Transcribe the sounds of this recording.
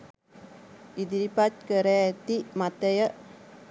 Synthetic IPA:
id̪iɾipat͡ʃ̚kəɾɛt̪imat̪əjə

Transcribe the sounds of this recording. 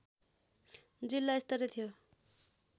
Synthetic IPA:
d͡zilːaist̪ʌɾet̪ʰijo

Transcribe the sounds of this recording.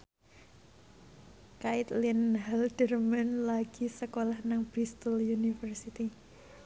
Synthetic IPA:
kaɪt̪linɦɛld̥ərmanlaɡ̥isəkolahnaŋb̥ɾist̪əljunifərsit̪i

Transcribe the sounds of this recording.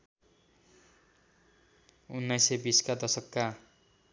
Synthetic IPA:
unːajsebiskad̪ʌsʌkːa

